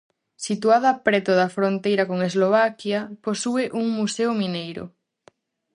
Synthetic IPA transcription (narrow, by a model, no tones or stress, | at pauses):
sit̪uað̞apɾɛt̪oðafɾõnt̪ejɾakoŋezloβ̞akjaposueʔuŋmuseomĩnejɾo̰